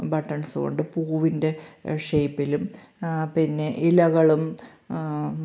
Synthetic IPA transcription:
bɐʈːɐɳsɨɣo̰ɳɖɨpuːʋinde̞ʂejpːilum | pinːe̞ʔilɐɣɐɭum

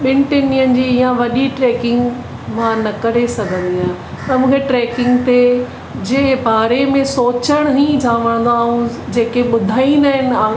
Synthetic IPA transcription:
ɓɪnʈɪniənɪ̆d͡ʑiːɪjãʋɐɗiʈɾeːkɪ̃ŋɡ | mãnɐkɐɾ̤esɐɡʱə̃nd̪iaː | t̪ɐmũːkʰeʈɾeːkɪ̃ŋɡt̪e | d͡ʑeːbaːɾemẽsoːt͡ɕəɽ̃ɦĩd͡ʑʰãːʋəɽ̃nd̪aːɦũ | d͡ʑeːkeɓʊd̪ʱaːĩnd̪aɦɪnɪ̆ãː

